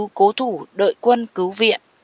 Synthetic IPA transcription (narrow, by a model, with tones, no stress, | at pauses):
ko˨˦t̪ʰu˧˩ɗə̰ː˧˨jkwə˧nkɨ˨˦wvḭ˧˨ən